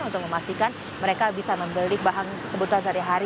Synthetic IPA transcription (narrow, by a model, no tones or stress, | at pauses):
unt̪ʊk̚məmast̪ikan | məɾekabisaməmbəlɪk̚baɦaŋ | səbət̪uɦansaɾiɦaɾi